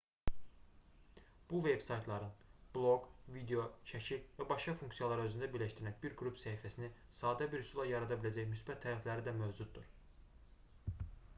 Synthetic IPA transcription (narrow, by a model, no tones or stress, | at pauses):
b̥uvebsɑjt̪ʰlˠɑɾɯnb̥lˠo̞ɡvid̪eo̞ʃæcʰilvæbɑʃkɑfuŋksijɑlˠɑɾɑø̞zynd̪æbiɾlæʃt̪iɾænbiɾɡɾupsæifæsini | sɑːd̪æbiɾhysulˠɑjɑɾɑd̪ɑbilæd͡ʒæjmysbæt̪ʰːæɾæflæɾid̪æmøvd͡ʒud̪d̪uɾ